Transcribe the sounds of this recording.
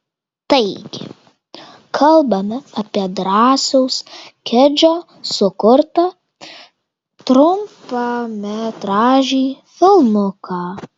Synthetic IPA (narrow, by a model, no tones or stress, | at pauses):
t̪ɐɪɡʲɪ̰ | kʰɐlˠbɐmʲɛɐpʲiɛd̪ɾɑːsɛʊskʲɛd͡ʒʲoː | sʊkʊɾt̪ɐ | t̪ɾʊmpɑmʲɛt̪ɾɑːʒʲiːfʲɪlˠmʊkʰɑː